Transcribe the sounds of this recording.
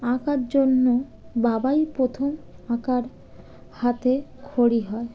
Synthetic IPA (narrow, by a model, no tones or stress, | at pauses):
ãkaɾd͡ʑonːo | babajpɾot̪ʰomãkaɾ | hat̪ekʰoɽiɦɔe